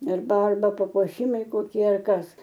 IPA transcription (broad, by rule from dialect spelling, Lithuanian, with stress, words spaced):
ɪr ˈdɐr ˈʋɐ pɐpuɔˈʃʲɪmɐɪ koːˈkʲiɛ ɐr ˈkɐs